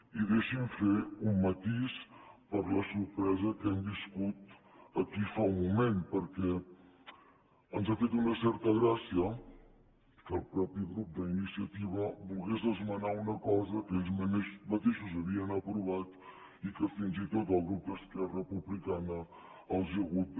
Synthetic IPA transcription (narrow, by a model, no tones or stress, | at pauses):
iðeʃiɱfeumːət̪ispəɾləsuɾpɾɛzəkɛmbiskut̪ | əkifawmumenpəɾkɛ | ənzafet̪unəsɛɾt̪əɣɾasiə | kəlˠpɾɔpiɣɾup̚d̪əinisiət̪iβəbulˠɣezðəzmənaunəkɔzəkezməneʃmət̪eʃuzəβiənəpɾuβ̞at̪ | ikəfinzit̪ot̪əlˠɣɾup̚d̪əskɛrəpuβlikanəː | lˠziəɣut̪̚